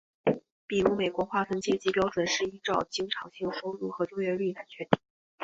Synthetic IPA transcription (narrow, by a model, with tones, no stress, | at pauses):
pi˨˩ɻu˧˥me˨˩ɪkwɔ˧˥xwa˥˩t̪ʰə˧˥nt͡ɕjɛ˥˧t͡ɕi˧˥pjɑ˥ʊʈ͡ʂwə˨˩nʂɻ̩˥˩i˥ʈ͡ʂɑ˥˧ʊt͡ɕi˥ŋʈ͡ʂʰɑ˨˩ʊɕi˥˩ŋʂo˥ʊɻu˥˩xɤ˧˥t͡ɕjo˥˧ɥɛ˥˧˥ly˥˩na˨˩nt͡ɕʰɥɛ˧˥nt̪i̥˨˩˦